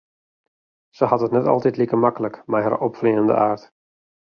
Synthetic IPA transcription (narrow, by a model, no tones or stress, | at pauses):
səhɑtɦətnɛtɑ̰lˠtɛtlikəmɑkələkmajɦa̰rɔpfliːəəndə̰aːrt